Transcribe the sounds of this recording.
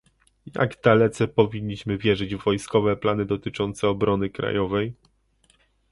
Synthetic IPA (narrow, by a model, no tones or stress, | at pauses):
ja̰ɡd̪alɛt̪sɛpɔvʲiɲːiɕmɘvʲjɛʐɘd͡ʑvvɔjskɔvɛplanɘd̪ɔt̪ɘt͡ʂɔnt̪sɛɔbɾɔnɘkɾa̰jɔvɛj